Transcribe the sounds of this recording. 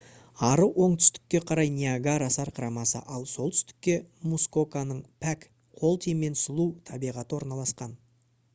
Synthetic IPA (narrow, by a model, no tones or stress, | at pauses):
ɑɾəwʔo̞ɴt̪ʰʏ̥st̪ɪ̥k̚ʲːe̞qʰɑɾɑjnʲiaɡaɾɑsɑɾqʰəɾɑmɑsə̰ʔɑlˠso̞lˠt̪ʰʏ̥st̪ɪ̥k̚ʲːe̞musko̞kanəɴpʰæk | qʰo̞lˠt̪ʰijme̞nsʊlˠut̪ʰɑbijʁɑt̪əwo̞ɾnɑlˠɑsqɑn